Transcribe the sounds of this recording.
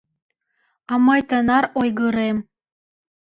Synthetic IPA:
ɑmɤjt̪ə̆nɑɾojɣɯɾem

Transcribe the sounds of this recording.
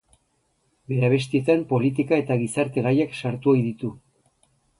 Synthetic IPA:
be̞ɾaβ̞e̞st̪ie̞t̪ampo̞lit̪ikae̞t̪aɣ̞isaɾt̪e̞ɣajaksaɾt̪uojðit̪u

